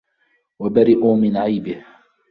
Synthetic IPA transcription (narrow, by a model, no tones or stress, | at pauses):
wabaɾɪʔuːmɪnʕajbɪh